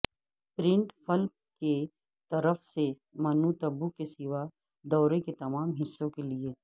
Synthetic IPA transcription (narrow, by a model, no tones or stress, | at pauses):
pɾɪ̃ɳʈfʰɐlp̚ | ke | t̪ɐɾəfse | mɐnut̪ɐbukesɪʋa | d̪ɔːɾeket̪ɐmaːmɦɪsːõkelie